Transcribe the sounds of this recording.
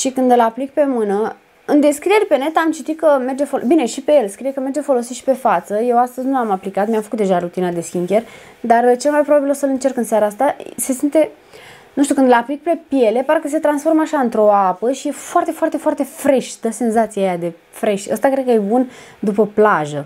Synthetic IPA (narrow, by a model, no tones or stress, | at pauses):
ʃikɨnd̪ɨlaplik̚pe̞mɨnə | ɨnd̪e̞skɾieɾʲpene̞t̪amt͡ʃit̪it̪̚kəme̞rd͡ʒefobine̞ʃipe̞jelskɾijekəme̞rd͡ʒefo̞lo̞siʃi̥pe̞fat̪səje̞wast̪əzʲnuamaplikat̪mijamfəkut̪d̪e̞ʒaɾut̪inad̪e̞skʲiŋkʲer | d̪art͡ʃe̞lmajpɾobabilosəlɨnt͡ʃe̞rkɨnsaɾaast̪ase̞sint̪e̞ | nuʃt̪ukɨnd̪əlaplik̚pe̞pije̞le̞paɾekəs̬e̞t̪ɾansfo̞rməaʃaɨnt̪ɾo̞apəʃije̞foart̪e̞foart̪e̞foart̪e̞fɾe̞ʃʲd̪əse̞nzat̪siajad̪e̞ | fɾe̞ʃtʲə̰st̪akɾekəjebund̪upəplaʒə